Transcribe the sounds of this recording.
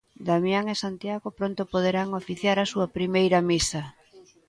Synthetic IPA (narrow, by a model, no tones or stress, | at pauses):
d̪amjaŋesant̪jaɣopɾont̪opoð̞eɾaŋofiθjaɾasuɐpɾimejɾɐmisɐ